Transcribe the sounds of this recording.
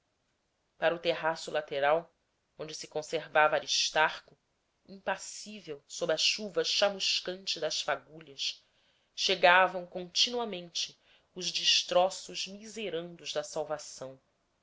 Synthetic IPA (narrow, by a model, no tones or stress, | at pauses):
paɾɐʊt̪eɦasʊlat̪eɾaw | õnd͡ʒɪsɪ̥kõseɾvavɐːɾiʃt̪aχkʊ | ĩpasivewsobɾɐʃuvɐʃamuʃkɐ̃nt͡ʃɪd̪ɐʃfaɡuʎɐʃ | ʃeɡavɐ̃w̃kõnt͡ʃinuɐmẽnt͡ʃɪ | ʊʒd͡ʒiʃt̪ɾɔsʊʒmizeɾɐ̃nd̪ʊzd̪ɐsawvasɐ̃w̃